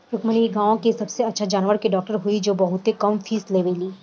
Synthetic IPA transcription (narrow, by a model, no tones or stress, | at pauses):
ɾʊkməniɡãːõkisɐbseɐtːʃʰad͡ʒaːnʋəɾkeɖɔːk̚ʈəɾɦuid͡ʒoːbɐɦʊt̪ɦekɐmfʰiːsleːʋeliː